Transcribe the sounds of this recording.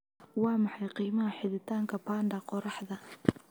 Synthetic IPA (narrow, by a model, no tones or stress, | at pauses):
wɑːmɑħɑjqiːmɐɦɐħɪðɪt̪ʰaːŋkʰɐpʰaːnɖɐqɔɾɑħdɐ